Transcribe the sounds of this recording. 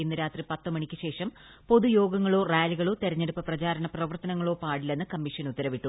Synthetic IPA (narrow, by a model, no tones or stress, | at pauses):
inːɨɾaːt̪ripɐt̪ːɨmɐɳikʲːɨɕe̞ːʂɐm | po̞ðujo̞ːɡɐŋːɐɭo̞ːraːjliɣɐɭo̞ːt̪e̞ɾɐɲːe̞ɽupːɐprɐt͡ɕaːɾɐnɐprɐʋɐrt̪ɐnɐŋːɐɭo̞ːpaːɽile̞nːɨkɐmːiʂɐnut̪ːɐɾɐʋiʈːu